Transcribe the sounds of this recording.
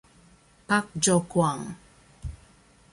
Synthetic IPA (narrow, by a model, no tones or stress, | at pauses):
pak̚d͡ʒɔkwaŋ